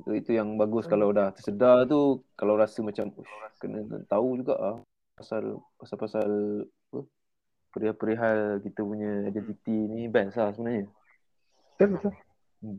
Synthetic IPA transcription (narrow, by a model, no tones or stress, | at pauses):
it̪ujaŋbaɡʊskalawdaht̪ərsədart̪̬ukalawɾasəmat͡ʃamuʃuakənə̰t̪aud͡ʒuɡa̰ʔlah | pasalpasalpasalapə | pəɾiɦapəɾiɦalkit̪əpuɲəidɛnt̪it̪inibɛnslahsəbənaɦɲə | t̪əbət̪a | m